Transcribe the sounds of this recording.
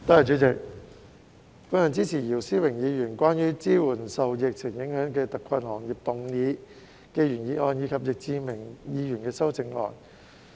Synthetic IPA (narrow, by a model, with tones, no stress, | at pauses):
t̪aː˥ja˨˩t͡ʃyː˨˥t͡sɪ˨k̚ | fʊ˥nhœ˨˧nt͡siː˥t͡sʰiː˨˩jiː˨˩wsiː˥wɪ˨˩ŋjiː˨˧jyː˨˩nkʷaː˥njyː˥t͡siː˥wuː˨˩nsɐ˨wjɪ˨k̚t͡sʰɪ˨˩ŋjɪ˨˥ŋhœː˨˥ŋkɛː˧t̪ɐ˨kʰɐ˧nhɔː˨˩ŋji˨p̚t̪ʊ˨˧ŋniː˨˧ | kɛ˧jyː˨˩njiː˨˧ʔɔː˧njiː˨˧kʰɐ˨p̚jɪ˨k̚t͡siː˧mɪ˨˩ŋjiː˨˧jyː˨˩nkɛː˧sɐ˥wt͡sɪ˧ŋlɔ̰ː˨n